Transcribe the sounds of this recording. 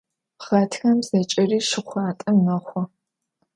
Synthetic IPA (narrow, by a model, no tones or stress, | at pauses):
χɐtʰxɐmz̥ɐt͡ʃʼɪriːʃɪχʷɑːtʼɐmːɐχʷɔ